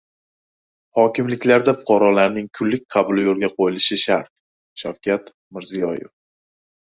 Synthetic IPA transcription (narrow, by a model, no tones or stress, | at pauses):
hɒkʲɪmlɪkʲlaɾd̪afʊ̥qʰɑɾɒlaɾnɪŋkʰʊlːɪk̚ʲqʰɑbʊlɪjolˠɡʲaqʰojɪlɪʃɪʃaɾt̪̚ | ʃawkʲʰat̪ | mɪɾzijɒjɪ̰f